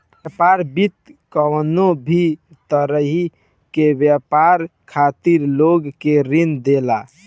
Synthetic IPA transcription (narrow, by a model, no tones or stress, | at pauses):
japaɾbit̪kəwnobʱi | t̪əɾəɦi | kebjəpaɾkʰat̪iɾloɡkeɾind̪ela